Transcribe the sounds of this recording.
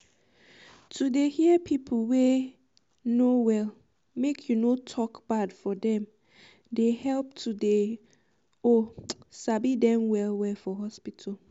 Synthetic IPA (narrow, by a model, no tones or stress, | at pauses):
tʰudehiəpʰipʰəl̩we | nowɛl | mekʰjunotʰɔkb̥adfɔdɛ̃m | dehɛlp̚tʰude | ɔsabidɛ̃mwɛlwɛfɔɦɔspitʰal